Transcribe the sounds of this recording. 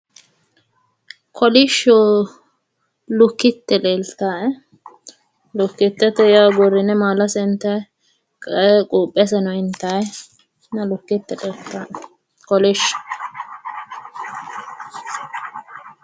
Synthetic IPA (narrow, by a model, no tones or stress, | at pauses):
kʰɔlɪʃɔ | lʊkːɪt̪ːɛleːlt̪ːaːʔɛ | lʊkːɪt̪ːɛt̪ɛjaːɡɔɾːɪnɛmaːlɐsɛnt̪ːɐ | kʼɐɛkʼuːpʼːɛs̬ɛnɔɪnt̪ːɐj | nɐlʊkːɪt̪ːɛleːlt̪ːaːʔ | kɔlɪʃːɔ̥